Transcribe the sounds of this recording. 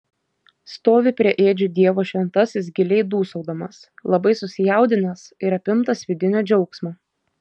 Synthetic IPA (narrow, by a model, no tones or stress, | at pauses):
st̪oːʋʲɪpʲɾʲiɛʔeːd͡ʒʲʊd̪ʲiɛʋoːʃʲʋʲɛnt̪ɐsʲɪs̬ɡʲɪlʲɛɪd̪uːsɔʊd̪ɐmɐslˠɐbɐɪsʊsʲɪjɛˑʊd̪ʲɪnʲɐsɪɾɐpʲɪmt̪ɐsʲʋʲɪd̪ʲɪnʲɛːd͡ʒʲɛʊksmɐ